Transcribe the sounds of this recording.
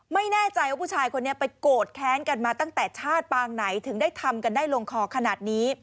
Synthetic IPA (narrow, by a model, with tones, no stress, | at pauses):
ma˥˩jnɛː˥˩t͡ɕa˧jʔpʰuː˥˩t͡ɕʰaː˧jkʰo˧nːi˦˥ɐpa˧jkoː˨˩t̪̚kʰɛː˦˥nka˧nmaː˧t̪a˥˩ŋt̪ɛː˨˩t͡ɕʰaː˥˩t̪̚paː˧ŋna˩˦jt̪ʰɯ˩˦ŋdaː˥˩jt̪ʰa˧mka˧ndaː˥˩jlo˧ŋkʰɔː˧˩kʰa˧naː˨˩t̪̚niː˦˥